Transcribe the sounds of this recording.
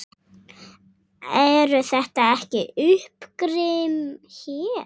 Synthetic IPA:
ɛɾʏθɛht̪aɛhcɪʏhpkɾɪmçɛː

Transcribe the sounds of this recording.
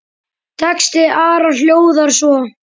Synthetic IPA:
t̪ʰɛkst̪ɪʔaːɾaljoːwðaɾ̥svɔ

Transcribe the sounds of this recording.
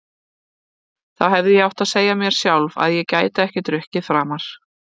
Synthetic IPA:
θaðɦɛvðɪjɛawht̪aðseːjamjɛɾ̥sjawlva̰ðjɛcaːjt̪aɛhcɪt̪ɾʏhcɪfɾaːmaɾ̥

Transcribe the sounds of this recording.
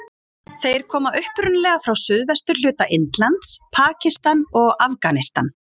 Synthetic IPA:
θejɾ̥kʰɔːmaʔʏhpɾʏnlɛɣafɾawsʏðvɛst̪ʏɾlʏːt̪aʔɪnt̪lant̪spʰaːcɪst̪anɔɣafkanɪst̪a̰n

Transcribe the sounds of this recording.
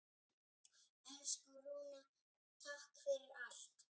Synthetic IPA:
ɛnskɔɾuːna | t̪ʰahkfɪɾɪɾaɬt̪

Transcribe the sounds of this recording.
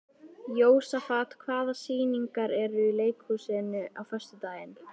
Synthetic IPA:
joːwsafaːt̪kʰvaːðasiːniŋkaɾɛɾʏileːjkhusɛːnʏʔawfœr̥st̪ʏt̪aːjɪn

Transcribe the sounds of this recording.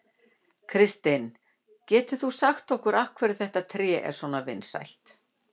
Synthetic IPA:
kʰɾɪst̪ɪn | cɛːt̪ʏ̥θusaxt̪ɔhkʏɾafkʰvɛːɾɪ̥θɛht̪at̪ʰɾɛːʔɛ̰ɾ̥swɔnavɪnsa̰jl̥t̪

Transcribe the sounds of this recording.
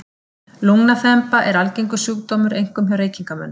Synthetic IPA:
luŋnaθɛmpaʔɛɾalcejŋkʏsjuːkt̪oːmʏɾejŋ̥kʏmɦawɾeːjciŋkamœ̰nː

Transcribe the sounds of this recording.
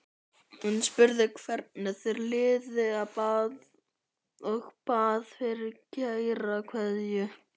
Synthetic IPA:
hunspʏɾðɪkʰvɛɾt̪̚nɪθeɾlɪːðɪapaːð | ɔɣpaːðfɪɾɪɾcejɾakʰvɛðjʏ

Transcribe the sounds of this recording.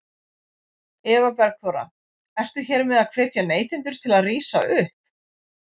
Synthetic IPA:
ɛːvapɛɾakʰɔːɾa̰ | ɛr̥t̪ʏçɛɾmɪðaðkʰvɛːt̪janeːjt̪ɪnt̪ʏɾ̥t̪ʰɪlaðriːsa̰ʔʏhp̚

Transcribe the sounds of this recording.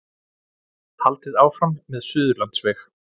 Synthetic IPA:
t̪ʰalt̪ɪðaːwfɾamːɛðsʏːðʏɾlant̪svɛx

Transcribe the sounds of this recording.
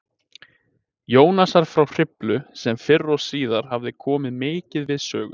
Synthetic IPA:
joːwnasaɾ̥fɾawr̥ɪplʏsɛmfɪrːɔsiːðaɾ̥havðɪkʰɔːmɪðmeːcɪðvɪðsœːɣʏ

